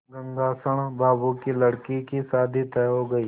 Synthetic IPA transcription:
ɡə̃ŋɡ̪aːsəɽ̃baːbukilɐɽkikisaːd̪ʱit̪ɛːɦoːɡɐiː

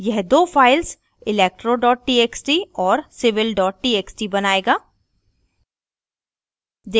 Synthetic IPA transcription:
jɛɦd̪oːfaːɪls | ɪleːk̚ʈɾoɖɔːʈ̚ʈiːeːksʈiɔːɾsɪʋɪlɖɔːʈ̚ʈiːeːksʈibɐnaːeːɡaː | d͡ʒ̪

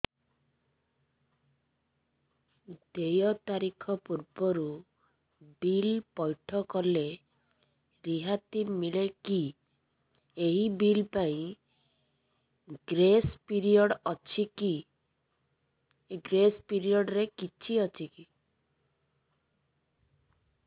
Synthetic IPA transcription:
d̪̥ejɔt̪aɾikʰɔpuɾbɔɾu | bilpɔjʈʰɔkɔle | ɾiɦat̪imileki | eɦibilpaĩ | ɡɾespiɾiɔɽɔt͡ʃʰiki | ɡɾespiɾiɔɽɾekit͡ʃʰiɔt͡ʃʰiki

